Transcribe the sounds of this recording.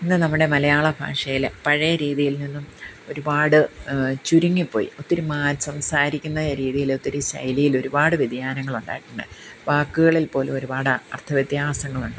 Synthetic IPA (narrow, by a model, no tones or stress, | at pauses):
inːɨnɐmːuɽe̞mɐlɐjaːɭɐbʱa̰ːʂɐjilpɐɻɐjɐɾiːðijilninːumo̞ɾubaːɽɨt͡ɕuɾuŋːipːo̞ːjḭo̞t̪ːiɾumaːɾsɐmsaːɾikʲːunːɐɾiːðijilo̞t̪ːiɾuɕɐ̰jlijilo̞ɾubaːɽɨʋid̪ʱjaːnɐŋːɐɭuɳɖa̰ːjiʈːuɳɖɨʋaːkːuɣɐɭilpo̞ːlumo̞ɾubaːɽɨɐ̰rt̪ʰɐʋjɐt̪jaːsɐŋːɐɭuɳɖɨ